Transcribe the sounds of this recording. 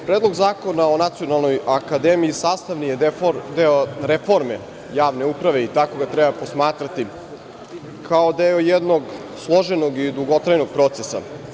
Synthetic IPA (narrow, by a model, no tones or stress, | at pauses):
pɾeːd̪lo̞ɡzaːko̞nao̞nat̪sio̞nalˠno̞jakad̪emiːsaːst̪aʋnijed̪eoɾefo̞ɾme̞̰ | jaːʋne̞upɾaʋe̞it̪ako̞ɡat̪ɾɛbapo̞smaːt̪ɾat̪i | kʰao̞d̪eojed̪noɡ | slˠo̞ʒeno̞ɡid̪uɡo̞t̪ɾajno̞ɡ̥̚pɾo̞t̪sesa̰